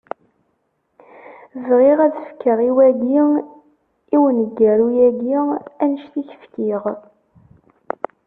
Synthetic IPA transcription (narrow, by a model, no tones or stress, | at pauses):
zʁiʁæðəfkːəʁiwæɡi | iwənəɡːæɾujæɡiænəʃθiçə̥fkiʁ